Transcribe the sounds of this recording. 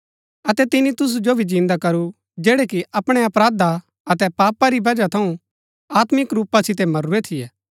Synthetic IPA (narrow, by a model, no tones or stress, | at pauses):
ɐt̪ɛt̪ɪnit̪ʊs̬ud͡ʒobʱid͡ʒɪ̃nd̪akɐɾu | d͡ʒɛːɽɛkiɐpɽ̃ɛɐpɾaːd̪a | ɐt̪ɛpaːpaɾibɐd͡ʒat̪ʰɐũ | aːt̪mɪkɾuːpːasɪt̪̬ɛmɐɾuet̪ʰɪjɛː